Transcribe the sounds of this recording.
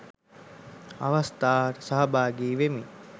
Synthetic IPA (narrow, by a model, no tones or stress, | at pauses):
a̰ʋɐst̪aːɾsaɦɐbaːɡeːʋemi